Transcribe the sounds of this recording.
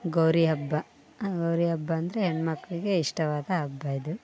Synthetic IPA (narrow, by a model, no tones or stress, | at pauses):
ɡɐwɾiɦɐbːɐ | ɡɐwɾiɦɐbːɐːnd̪ɐɾeɦeɳmɐkːɐɭiɡe̞iʂʈɐʋaːd̪ɐɦɐbːɐid̪u